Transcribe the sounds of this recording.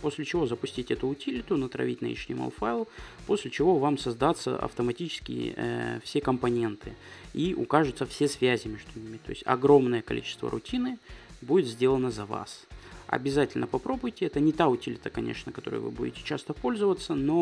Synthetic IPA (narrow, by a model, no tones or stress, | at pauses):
po̞sʲlʲɪt͡ɕɪvo̞zəpʊsʲtʲitʲɪɛt̪ʊːtʲilʲɪt̪ʊnət̪ɾɐ̰vʲitʲnə̰ḭʂnʲɪma̰lˠfaɪlˠpo̞sʲlʲɪt͡ɕɪvo̞vamsɐzd̪at̪sːə̰ʔɐ̰ft̪əmɐtʲit͡ɕɪ̥skʲɪ̰jɪ̰fsʲe̞kəmpɐnʲe̞nt̪ʰɨiʔʊkaʐɨt̪səfsʲe̞svʲæzʲɪmʲeʐd̪ʊnʲimʲɪt̪o̞̰ɪsʲɐ̰ɡɾo̞mnəjəkɐlʲḭt͡ɕɪ̥st̪və̰ɾʊ̰tʲinɨbudʲɪt̪zʲdʲelˠənəzɐva̰sɐ̰bʲɪzatʲɪlʲnəpɐpɾo̞bʊjtʲɪɛt̪ənʲɪt̪aʊtʲilʲɪt̪əkɐnʲʔḛʂnəkɐt̪o̞̰ɾɨ̰jvɨ̰budʲɪ̰tʲɪ̥t͡ɕast̪əpo̞lʲzəvət̪sːəno̞